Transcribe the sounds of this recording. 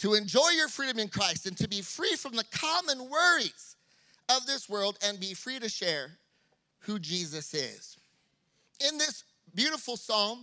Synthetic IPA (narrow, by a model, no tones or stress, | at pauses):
tʰəɨ̃nd͡ʒɔɪjə˞fɹiɾɨ̃mɨ̃nkʰɹ̥aɪstɨ̃ntʰɨbifɹifɹʌ̃mðɨkʰɑmə̃nwɜ˞iz̥ | ʌvðɪswɜ˞lˠdɨ̃nbifɹiɾɨʃɛɹ | hud͡ʒizɨsɪ̰z̥ | ɪ̃nðɪs | bjʉɾəfl̩ˠsɔ̃ŋ